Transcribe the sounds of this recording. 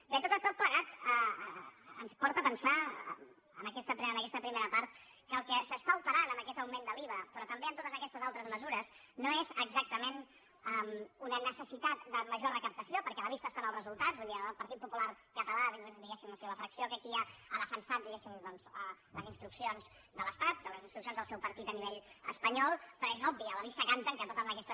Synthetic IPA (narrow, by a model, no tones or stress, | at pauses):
bet̪ot̪ət̪ot̪̚pləɣat̪ə | ə̰nspɔɾt̪əpənsa̰ | ə̰nəkɛst̪əpɾənəkɛst̪əpɾimeɾəpaɾt̪̚ | kəːlˠkəsəst̪aupəɾanəmbəkɛt̪əwmend̪əliβəpɾɔt̪əmbeəmt̪ot̪əzəkɛst̪əzalˠt̪ɾəzməzuɾəz | noezəɡzak̚t̪əmen | əmunənəsəsit̪at̪̚d̪əməʒorəkəp̚t̪əsiopəɾkɛələβist̪əːst̪anəlˠzrəzulˠt̪azbuðiəəlˠpəɾt̪it̪̚pupulaɾkət̪əlaβiend̪iɣesimləseβəfɾəksiokəkiaaðəfənsat̪̚d̪iɣesimd̪ɔnzə | ləzinst̪ɾuksionz | d̪ələst̪at̪̚d̪ələzinst̪ɾuks̬ionzðəlˠsɛwpəɾt̪it̪əniβeʎə̰spəɲɔlˠpɾɔezɔbːiəːləβ̞ist̪əkant̪əŋkət̪ot̪əzəkɛst̪ə